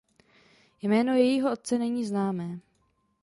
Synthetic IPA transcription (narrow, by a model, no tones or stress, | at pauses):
jmɛːno̞jɛjiːɦoʔo̞t̪̚t͡sɛnɛɲiːznaːmɛː